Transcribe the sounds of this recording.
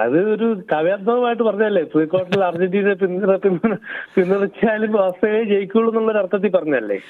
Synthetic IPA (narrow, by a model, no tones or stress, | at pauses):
ɐ̰ðɨo̞ɾukɐʋjad̪̚mɐʋɐmaːjiʈːɨpɐrɐɲːaɐlːe̞prikːo̞ːʈːɐilɐrd͡ʑiɖiːɽep̬inːrepinːpinːɐðɐkʲːaːlumɐst̪ʰɐŋɐɭet͡ɕejikʲːuɭːenːuɭːoɾuɐrt̪ʰːɐt̪̬ːipɐrɐɲːaɐlːe̞̰ː